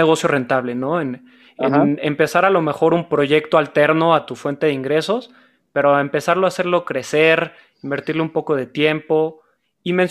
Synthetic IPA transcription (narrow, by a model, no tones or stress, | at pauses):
eɣo̞sjo̞re̞nt̪aβle̞no̞en | eempe̞saɾalo̞me̞xo̞ɾumpɾo̞ʝe̞kt̪oalt̪e̞ɾno̞at̪ufwe̞nt̪e̞ðeiŋɡɾe̞so̞s | pe̞ɾoaempe̞saɾloase̞ɾlo̞kɾe̞seɾ | imbe̞ɾt̪iɾleumpo̞ko̞ð̞e̞t̪je̞mpo̞ | imens